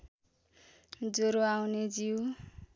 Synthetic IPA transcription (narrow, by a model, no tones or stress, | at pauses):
d͡zoɾoawned͡ziw